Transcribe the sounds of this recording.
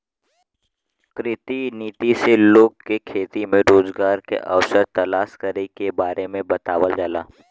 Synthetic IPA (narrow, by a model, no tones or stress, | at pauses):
kɾɪt̪iniːt̪iseloːɡ̚kekʰeːt̪imẽɾoːzɡaːɾkḛʔɐ̰ʋsəɾt̪ɐlaːʃkɐɾekebaːɾemẽbɐt̪aːʋəld͡ʒaːla̰ː